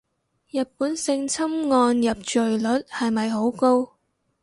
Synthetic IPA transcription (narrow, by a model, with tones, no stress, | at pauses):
jɐ˨t̚puː˨˥nsɪ˧ŋt͡sʰɐ˥mŋɔː˧njɐ˨p̚t͡ʃɵ˨ɥlɵ˨˥t̚hɐ˨jmɐ˨jɦo˨˥wko˥w